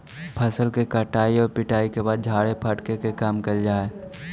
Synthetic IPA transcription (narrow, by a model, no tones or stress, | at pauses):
pʰɐsəlkekəʈaːiɔːɾpɪʈaːikebaːd̪̚d͡ʒʱaːɽepʰɐʈkekekaːmkɐld͡ʒaːe